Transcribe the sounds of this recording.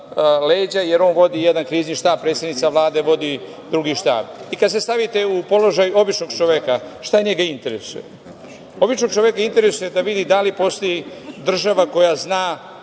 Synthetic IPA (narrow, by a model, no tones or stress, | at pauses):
leːd͡ʑaje̞ɾo̞ːnʋo̞d̪ijed̪ankɾiːzɲiʃt̪aːb̚pɾet̪sed̪nit̪saʋlˠaːd̪e̞ʋo̞d̪i | d̪ɾuɡiʃt̪a̰ːbikad̪se̞st̪aʋit̪e̞upo̞lo̞ʒajuo̞bit͡ʃnoɡt͡ʃoʋekaʃt̪aɲeɡaint̪eɾesṵjḛ | o̞bit͡ʃno̞ɡ̚t͡ʃoʋekaint̪eɾesujed̪aʋid̪id̪alipo̞st̪o̞jid̪r̩ʒaʋako̞jaznaː